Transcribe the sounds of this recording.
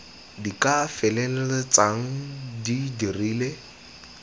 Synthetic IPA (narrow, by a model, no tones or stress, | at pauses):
dikʼafɛlɛlɛlɪt͡saŋ̩didiriːle